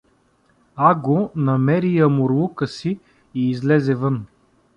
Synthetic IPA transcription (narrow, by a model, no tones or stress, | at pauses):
aɡonɐmɛɾijəmʊɾlˠukəsi | iːzlɛzɛvɤn